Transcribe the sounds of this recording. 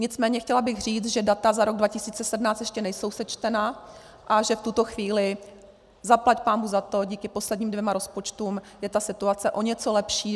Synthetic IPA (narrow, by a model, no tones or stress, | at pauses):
ɲɪt͡smɛːɲɛxcɛlabɪɣr̝iːt͡s̪ʒɛdat̪azaɾo̞ɡdvacɪsiːt͡sɛsɛdmnaːt͡stjɛʃcɛnɛjso̞wsɛt͡ʃt̪ɛna | ʔaʒɛft̪ut̪o̞xviːlɪ | zaplacpaːnbuɣzat̪o̞ɟiːkɪpo̞slɛdɲiːmdvjɛmaɾo̞spo̞t͡ʃt̪uːm | jɛt̪asɪt̪uat͡sɛʔo̞ɲɛt͡so̞lɛpʃiː